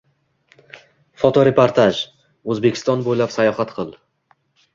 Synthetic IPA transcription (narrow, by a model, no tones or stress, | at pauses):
fɒt̪ʰɒɾepʰoɾt̪ʰaʒ | ɵzbekʲʰɪ̥st̪ɒnbojlapsajɒhat̪qʰɨlˠ